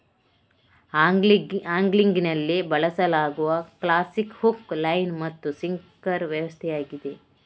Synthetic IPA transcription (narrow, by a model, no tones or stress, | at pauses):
aːŋɡliŋɡinɐlːibɐɭɐsɐlaːɡuʋɐklaːsikhuklɐjnmɐt̪ːusiŋkɐɾʋjɐʋɐst̪ʰɛjaːɡid̪e̞